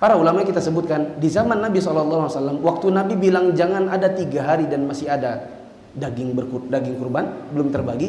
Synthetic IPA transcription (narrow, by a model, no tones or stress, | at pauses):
paɾaulamakit̪asəbut̪̚kandizamanːabisɔlɔlːaaasalːamwak̚t̪unabibilaŋd͡ʒaŋanadat̪iɡaɦaɾidanmasɪhada | daɡɪŋbərkudaɡɪŋkurbanbəlʊmt̪ərbaɡi